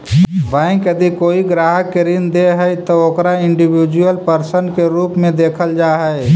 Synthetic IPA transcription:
bɛ̃ɪ̃kjəd̪ikoːiɡɾaːɦəkːeɾɪnd̪eɦɛjt̪ooːkɾaɪɳɖibid͡ʒuəlpəɾsənkeɾuːpmẽd̪eːkʰəld͡ʒaɦɛe

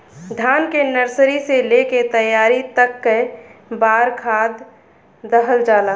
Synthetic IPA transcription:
d̪ʱaːnkenəɾsɾiseleket̪əjaːɾit̪əkːebaːɾkʰaːd̪ː | əɦəld͡ʒaːla

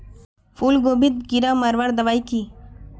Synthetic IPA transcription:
fuːlɡoːbit̪̚kiɾamɐɾʋaɾd̪ɐʋaːiki

